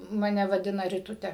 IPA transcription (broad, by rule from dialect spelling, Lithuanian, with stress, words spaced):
mɐˈnʲɛ ʋɐˈdʲɪnɐ rʲɪˈtʊtʲɛ